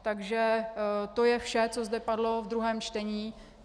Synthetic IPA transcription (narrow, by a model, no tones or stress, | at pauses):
t̪aɡʒɛt̪o̞jɛfʃɛt͡so̞zd̪ɛpadlo̞vd̪ɾuɦɛːmt͡ʃt̪ɛɲiː